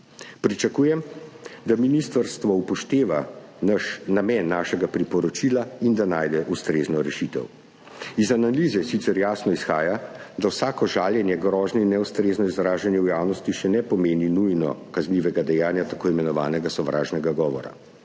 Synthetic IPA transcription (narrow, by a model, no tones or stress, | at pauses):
pɾit͡ʃakuːjɛmd̪aminist̪aɾst̪ʋɔupɔʃt̪eːʋanaʃnamɛnːaːʃɛɡapɾipɔɾɔt͡ʃilaind̪anaːjd̪ɛʔust̪ɾeːznɔɾɛʃit̪ɛ̰w | izanaliːzɛsit̪sɛɾjaːsnɔisxaːjad̪awsaːkɔʒaːljɛnjɛɡɾɔʒnɔinːɛwst̪ɾeːznɔizɾaːʒanjɛwjaːwnɔst̪iʃɛnɛpɔmeːninujnɔ̰kazniʋɛɡad̪ɛjaːnjat̪akoːimɛnɔʋaːnɛɡasɔʋɾʔa̰ːʒnɛɡaɡɔːʋɔ̰ɾa̰